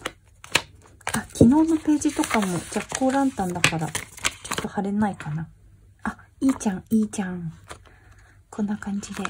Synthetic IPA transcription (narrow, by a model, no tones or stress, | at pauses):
akʲʰino̞ːno̞pe̞ːd͡ʑit̪o̞kamo̞d͡ʑakːo̞ːɾãnt̪ãnd̪akaɾat͡ɕo̞t̪ːo̞haɾe̞naikana | a | iːt͡ɕãŋ̃iːd͡ʑãŋ | kʰõ̞nːakãɲ̟d͡ʑid̪e̞